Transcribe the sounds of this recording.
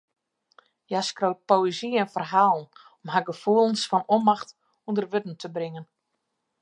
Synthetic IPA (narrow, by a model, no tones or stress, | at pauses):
jaskrowt̚poeziɛnfərɦaːlˠn̩ | ɔmɦaɡəfuəlˠənsfɔnomaxt | undərʋøtn̩tʰəbrɪŋən